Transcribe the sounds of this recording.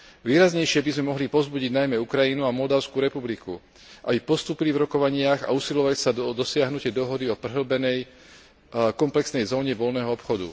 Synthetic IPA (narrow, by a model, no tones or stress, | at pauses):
ʋiːɾazɲɛjʃɪɛbizmɛmɔɦlipɔzbuɟiɟnajmɛukɾajinuamɔld̪aʊskuɾɛpublikṵ | ʔa̰bipɔst̪uːpilivɾɔkɔʋaɲɪaɣa̰usilɔʋacsad̪ɔsɪaɦnucɛd̪ɔɦɔd̪iɔprɛɦl̩bɛnɛj | kɔmplɛksnɛjzɔːɲɛʋɔlnɛːɦɔɔpxɔd̪ṵ